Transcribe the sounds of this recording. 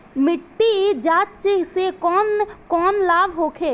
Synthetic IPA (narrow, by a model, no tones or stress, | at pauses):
mɪʈːid͡ʒaːtt͡ʃesekɔːnkɔːnlaːbʱɦoːkʰeː